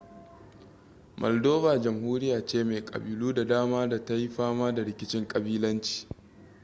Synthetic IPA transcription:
mʔɔ̰˨ldoː˦baː˨d͡ʒɐ˨mɦuː˦ɾɪ˦jaː˨t͡ʃeː˦˨me˨kʼɐ̰˨biː˨luː˦da˨daː˦maː˦da˨ta˦ji˦ɸaː˦maː˦da˨ɽɪ˨kʲɪ˦t͡ʃɪ˦ŋkʼɐ˨biː˦lɐ˦nt͡ʃi̥ː˨

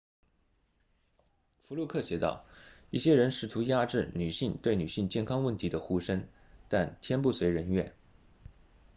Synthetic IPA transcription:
fu˧˥lu˥˧kʰɤ˥˩ɕjɛ˧˥t̪ɑ̰˥˩ʊi˥˩ɕjɛ˥ɻə˧˥nʂɻ̩˨˩t̪ʰu˧˥ja˥˧ʈ͡ʂɻ̩˥˩ny˨˩ɕi˥˧ŋt̪we˥˩ɪny˨˩ɕi˥˧ŋt͡ɕjɛ˥˩nkʰɑ˥ŋwə˥˩nt̪ʰi˧˥d̪ə˧xu˥ʂə˥ŋ | t̪a˥˧nt̪ʰjɛ˥npu˥˩swe˧˥ɪɻə˧˥nɥɛ̰˥˩n

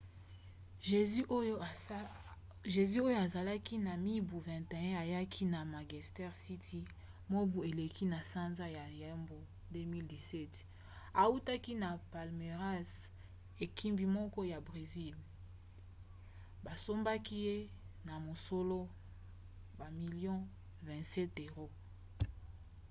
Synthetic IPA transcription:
ʒe˨zi˦o˦jo˦a˨za˨la˦ki˦na˨mi˦bu˨vɛ̃˨nte˨ɛ̃˦a˨ja˦kʰi˦na˨ma˨ɡi˨stɛ˦ʁsi˦tʰi˦ | mo˦bu˨e˨le˨kʰi˦na˨sa˦nza˦ja˨jɛ˦mbo˨ | de˦mi˦ldi˨sɛ˦t | a˨u˦ta˦ki˦na˨pa˨lme˨ʁa˦s | e˨ki˦mbi˨mɔ˦kɔ˦ja˨bʁe˨zi˦l | ba˨so˦mba˦ki˦je˦na˨mo˨so˦lo˦ | ba˨mi˨ljɔ̃˦ | vɛ̃˨sɛ˦te˨ʁo˦

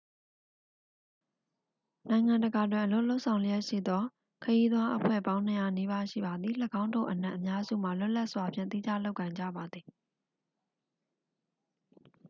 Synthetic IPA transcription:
nã˨ɪ̃ŋã˨ndəɡa˨dwɪ̃˨ʔəlo˦ʔlo˦ʊʔsʰã˨ʊ̃ljɛ˦ʔʃḭ˦˨d̪ɔ˦ | kʰəji˦d̪wa˦ʔəpʰwɛ̰˦˨bã˦ʊ̃n̥ə˨ja˨ni˦ba˦ʃḭ˦˨ba˨d̪ði˨ləɡã˦ʊ̃ndo̰˦˨ʔənã̰˦ʔəmja˦zṵ˦˨ma˨lʊ˦ʔla˦ʔswa˨pʰjɪ̰̃˦˨t̪i˦d͡ʑa˦˨lo˦ʊʔkːã˨ɪ̃ɲd͡ʑa̰˦˨ba˨d̪ði˨

